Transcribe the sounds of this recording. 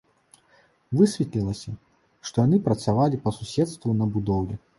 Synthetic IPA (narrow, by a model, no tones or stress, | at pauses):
vɨsʲvʲɛt̪lʲilˠɐsʲɐ | ʂt̪ɔjanɨpɾɐt̪savalʲipɐsusʲɛt̪st̪vunɐbud̪ɔwlʲɛ